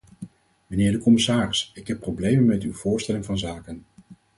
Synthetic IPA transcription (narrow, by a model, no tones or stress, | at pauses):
məneːɹdəkɔmɪsaːrɪsɪkɦɛpːrowblejmənmɛtywv̥ʊːɹstɛlɪŋvɑnzaːkən